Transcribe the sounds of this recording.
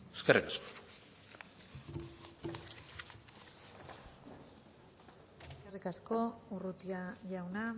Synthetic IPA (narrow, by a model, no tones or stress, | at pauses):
eskerikasko̥ | eskerikasko̞urut̪iaʝawna